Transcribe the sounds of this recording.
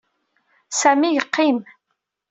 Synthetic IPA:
sæmijəqːim

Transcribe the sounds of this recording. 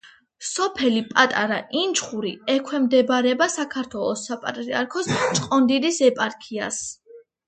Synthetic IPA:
sɔpʰɛlipʼat̪ʼaɾa̰ʔint͡ʃʰχuɾiɛkʰwɛmd̪ɛbɾɛbasakʰaɾt̪ʰwɛlˠɔsapʼa̰t̪ʼɾiaɾkʰɔst͡ʃʼqʼɔnd̪id̪isɛpʼaɾkʰias

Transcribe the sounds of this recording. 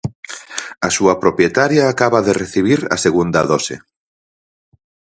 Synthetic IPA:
asuɐpɾopjet̪aɾjaːkaβaðereθiβ̞iɾa̰seɣund̪aðɔsḛ

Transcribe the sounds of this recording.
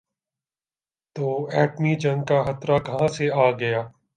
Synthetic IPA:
t̪oːɛːʈmid͡ʒɐ̃ŋɡkaxɐt̪ɾakɐɦãseaːɡɐjaː

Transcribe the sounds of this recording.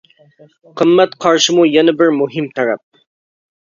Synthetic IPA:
qʰɨmːɛt̪qʰɑɾʃɪmujɛnɪbɪɾmuɦɨmt̪ʰæɾɛp̚

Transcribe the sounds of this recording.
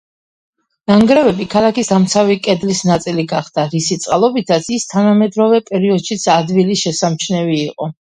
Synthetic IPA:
naŋɡɾɛvɛbikʰalˠakisd̪amt̪sʰavikʼɛd̪lisnat̪sʼiliɡaχd̪̥aɾisit̪sʼqʼalˠɔbit̪ʰat̪sʰist̪ʰanamɛd̪ɾɔvɛpʼɛɾiɔd̪ʃit̪sʰad̪viliʃɛsamt͡ʃʰnɛviːqʼɔ

